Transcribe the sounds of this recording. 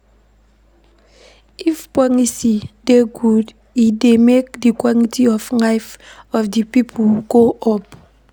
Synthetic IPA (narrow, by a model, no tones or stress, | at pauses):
ifpwanisideɡud | idemek̚dikwɔlitʰiɔflaɪfɔfdipipʰuɡoʔɔp